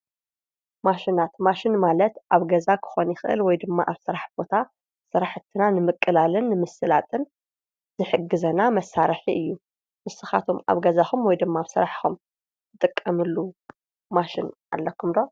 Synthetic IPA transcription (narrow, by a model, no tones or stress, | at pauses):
maʃinat̪maʃɪnmalɐt̪ʔaβɡɐzakʰɨ̥xo̞njɪxʔɨ̰lwɔjd̪ɨmːa̰ʔaβsɨɾaħbo̞t̪ʰa | sɨɾaħt̪ʰːɨnanɨmɨkʼːɨlalɨnːɨmɨsɨlat̪ʼɨn | zɨħɨɡɨzɐnamɐsːaɾɐħiʔɨjːu | mɨsɨxa̰t̪ʰoma̰βɡɐzaxumwɔjd̪ɨmːaaβsɨɾaħxum | zɨt̪ʼɨkʼːɐmɨlːu | maʃɪnʔa̰lːɐkʰːumd̪o̞